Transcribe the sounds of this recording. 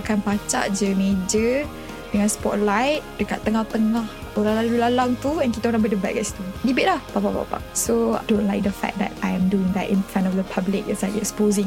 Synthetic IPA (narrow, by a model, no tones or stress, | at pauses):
akanpat͡ʃa̰ʔd͡ʒəmed͡ʒə | dəŋãnspɔ̰ʔ̚lajt̚dəka̰ʔt̪ːəŋaht̪əŋah | oɾaŋlalulalaŋt̪uɛ̃nkit̪aoɾãbədəbat̚ka̰ʔsi̥t̪udibɪʔ̚lahpapapa̰pa̰sod̥õnlajk̚d̪əfɛ̰k̚d̪ɛ̰tajɛ̃mduɪ̃ŋd̪ɛ̰tḭ̃nfɾãntɔfd̪əpʰablɪk̚ɛ̰tslakɛksə̥pozɪ̃ŋ